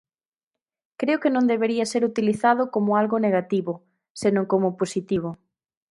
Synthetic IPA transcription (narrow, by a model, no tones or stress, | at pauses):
kɾeokenõnd̪eβeɾiɐseɾut̪iliθaðʊkomʊalɣoneɣat̪iβʊ | senõŋkomʊposit̪iβ̞ʊ